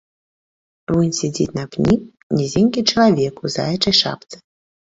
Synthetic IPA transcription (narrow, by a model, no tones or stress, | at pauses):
vunʲsʲɛd͡zʲḭt͡sʲnɐpnʲi | nʲɛzʲenʲkʲit͡ʂɐlˠavʲɛkuza̰jɐt͡ʂɐjʂa̰p̚t̪sɨ̥